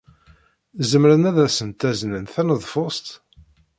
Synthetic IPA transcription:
zəmɾənæðæsənt̪æznənθænəðˤfost̪

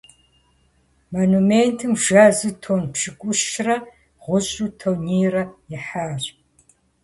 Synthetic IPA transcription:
mɐnumeːntʰɨmʒaːzɨtʰoːnpʂʰɨkʷʼʊʃrɐ | ʁʷʊɕʼutʰowniːrɐjɪħaːr

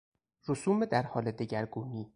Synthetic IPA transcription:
ɾosuːmed̪æɾhɒːled̪eɟæɾɡuːniː

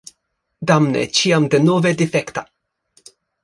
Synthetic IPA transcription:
d̪amnɛ̰t͡ʃiamd̪ɛnɔːvɛd̪ɪfɛkt̪ɐ

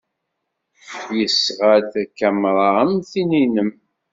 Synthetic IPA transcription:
jəsʁædækːæmɾˤɑəmθininəm

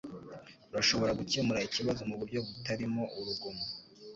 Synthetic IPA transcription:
ɾaʃo̞βo̞ɾaɡucimuɾaiciβazomuβuɾɟo̞βutaɾimo̞ʔuɾuɡomo

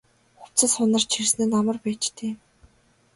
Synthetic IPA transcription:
xʊw̥t͡sə̆sχʊnə̆r̥t͡ɕʰirsneːnamə̆rpæːt͡ɕt̪ʰeː

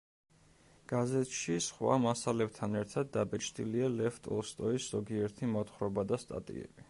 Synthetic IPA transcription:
ɡ̥azɛt̪ʰʃisχwa̰masalɛb̚t̪ʰanɛɾt̪ʰad̪ːabɛt͡ʃʰd̪ʼilialɛft̪ʼɔ̰lˠst̪ʼɔisz̥ɔɡiɛɾt̪ʰimɔt̪ʰχɾɔbad̪ast̪ʼa̰t̪ʼḭɛ̰bi

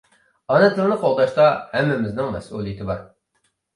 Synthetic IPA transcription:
ɑnɛt̪lˠɨɾnɨqʰolˠd̪ɑʃt̪ɑhɛmːɪmɪznɪŋmɛ̰sulˠijɪt̪ʰɪbɑ̰ɾ

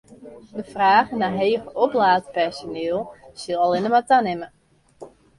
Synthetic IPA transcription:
dəfraːɣənaɦeːɣəɔplaːtpɛrsoneəlˠsilˠalˠɪnəmatanɪmə

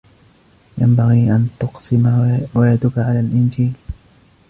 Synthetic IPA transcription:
jambaɣiːʔant̪ʊqsɪmawajad̪ʊkaʕalaːlʔɪnd͡ʒiːl

